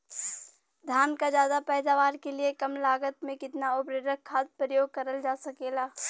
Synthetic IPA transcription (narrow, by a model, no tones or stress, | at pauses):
d̪ʱaːnkad͡ʒjaːd̪apɛːd̪aːʋaːɾkeliekɐmlaːɡət̪mẽkɪt̪naʊbɾeɾəkʰːaːt̪̚pɾəjoːɡ̚kɐɾəld͡ʒaːsɐkeːlaː